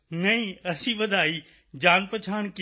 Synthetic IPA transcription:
nɐĩɐsĩʋɐd̪ʱaːiː | d͡ʑaːnpɐt͡ɕʰaːɽ̃k

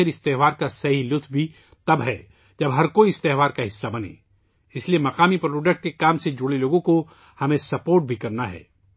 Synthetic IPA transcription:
eɾɪst̪eːɦʋaːɾkasɐɦilʊt̪ʰbʱi | t̪ɐbɦɛː | d͡ʒɐbɦɐɾkoːiɪst̪eːɦʋaːɾkaɦɪsːabɐnḛː | ɪsliemɐqaːmipɾoːɖək̚ʈ̚kekaːmsed͡ʒʊɽeloːɡõko | hɐmẽsɐpoːɾʈ̚bʱikɐɾnaɦɛ̰ː

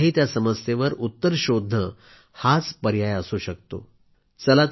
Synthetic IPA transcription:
ɦiːt̪jasəməst̪eʋəɾut̪ːəɾɕod̪ʱnə | hat͡spəɾjajəsuːɕək̚t̪o̰ | t͡səlat̪

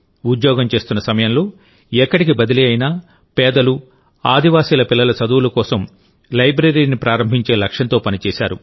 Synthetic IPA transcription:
ud̪jɔːɡɐmt͡ʃe̞ːst̪unːɐsɐmɐjɐnlo̞ː | ɛkːɐɽikibɐd̪iliɐjinaː | pɛːd̪ɐlu | aːd̪ʱiʋaːsiːlɐpilːɐlɐt͡ʃɐd̪uwulɐkɔːsɐm | lɐjbɾeɾiːnipɾaːɾɐmbʱiɲt͡ʃe̞ːlɐkʂɐnt̪o̞ːpɐnit͡ʃɛːsaːɾu

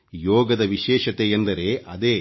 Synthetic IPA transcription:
joːɡɐd̪ɐʋiʃɛːʃɐt̪ejend̪ɐɾe̞ːʔɐd̪eː

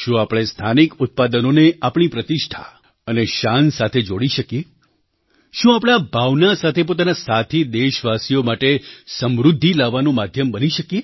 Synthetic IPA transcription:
ʃũapɽ̃est̪ʰanikʊt̪̚pad̪ənoneapɳ̃ipɾət̪ɪʃʈʰa̰ | əneʃansat̪ʰed͡ʒoɽiʃəkje | ʃũapɽ̃abʱaʋnasat̪ʰepot̪anasat̪ʰid̪eʃʋasijomaʈesəmɾud̪ʱːilaʋːanũmad̪ʱjəmbəniʃəkje

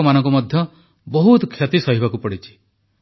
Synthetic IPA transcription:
ɔmanɔ̃ŋkumɔd̪ʱjɔ | bɔɦut̪kʰjɔt̪isɔɦibakupɔɽit͡ʃʰi̥

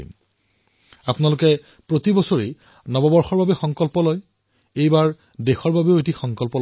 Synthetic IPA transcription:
ḭm | apnalʊkɛ | pɹotibɔsoɹe | nɔbɔbɔɹxɔɹbabɛxɔŋkɔlpɔloj | ejbaɹ | dexɔɹbabeoetixɔŋkɔlpɔl

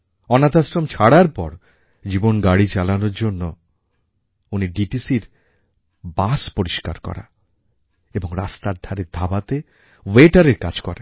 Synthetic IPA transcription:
ɔnat̪asɾomt͡ɕʰaɽaɾpɔɾ | d͡ʑibonɡaɽit͡ɕalanoɾd͡ʑonːo | uniɖiʈisiɾ | baspoɾiʃka̰ɾkɔ̰ɾa̰ | eboŋɾast̪aɾd̪ʱaɾeɾd̪ʱabat̪e | weʈaɾeɾka̰d͡ʑkɔɾa

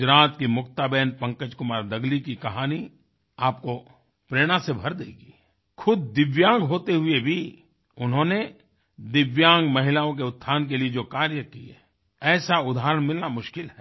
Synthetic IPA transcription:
d͡ʒɾaːt̪kimʊkt̪abɛːnpɐ̃ŋkəd͡ʒkʊmaːɾd̪ɐɡlikikɐɦaːni | aːp̚ko | pɾeːɽ̃asebʱɐɾd̪eːɡiː | kʰʊd̪̚d̪ɪʋjãːŋɡɦoːt̪eɦʊebʱi | ʊnɦõːne | d̪ɪʋjãːŋɡmɐɦɪlaːõk̬eʊt̪̚ʰːt̪ːʰaːnk̬elied͡ʒoːkaːɾjəkiɛː | ɛːsaʊd̪ʱaːɦɾəɽ̃mɪlnamʊʃkɪlɦɛː

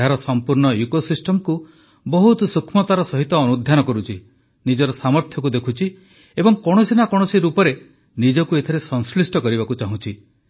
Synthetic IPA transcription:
aɾɔsɔmpuɾɳɔjukosisʈɔmɔku | bɔɦut̪ɔsukʰmɔt̪aɾɔsɔɦit̪ɔːnud̪ʱjanɔkɔɾut͡ʃʰi | nid͡ʒɔɾɔsamɔɾt̪ʰjɔkud̪ekʰut͡ʃʰi | ebɔŋkɔɽ̃ɔsinakɔɽ̃ɔsiɾupɔɾe | nid͡ʒɔkuet̪ʰeɾesɔŋslisʈɔkɔɾiβakut͡ʃaɦũt͡ʃʰi

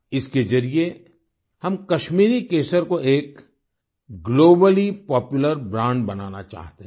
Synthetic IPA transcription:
ɪsked͡ʒɐɾie | hɐmkɐʃmiːɾikeːsəɾkoeːk | ɡloːbəlipɔːpjʊləɾbɾãːɳɖbɐna̰ːna̰t͡ʃa̰ːɦt̪eɦ

